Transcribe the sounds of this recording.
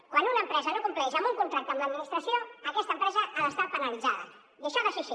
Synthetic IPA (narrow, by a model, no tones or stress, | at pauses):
kwanunəːmpɾɛzənokumplɛʃəmbuŋkunt̪ɾak̚t̪əmləd̪minist̪ɾəsioəkɛst̪əmpɾɛzəaləst̪apənəlid͡zaðə̰ | jəʃɔðəsisi